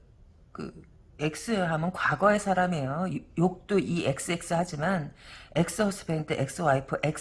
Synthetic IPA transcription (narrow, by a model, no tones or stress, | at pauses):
kɯ̰ | e̞k̚s͈ɯɦamʌnkwaɡʌe̞sʰaɾame̞jojok̚t͈oʔie̞k̚s͈ɯe̞k̚s͈ɯhad͡ʑimane̞k̚s͈ɯʌs͈ʰɯ̥beŋdɯʔek̚s͈ɯwaipʰɯʔek̚